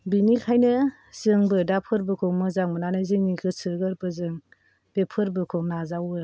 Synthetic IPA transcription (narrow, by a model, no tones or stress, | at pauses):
binikʰajnɯ | zɯŋbɯdapʰɯɾbɯkʰɔmɯzaŋmɯnanɯzɯŋnikʰɯsɯɡɯɾbɯzɯŋ | b̥epʰɯɾbɯkʰɔnazawɯ